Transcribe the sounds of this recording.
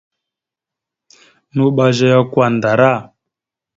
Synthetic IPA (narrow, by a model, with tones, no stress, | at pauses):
nu˦ɓa˦ʒa˦ja˦kwa˨n˨da˨ɾa˦˨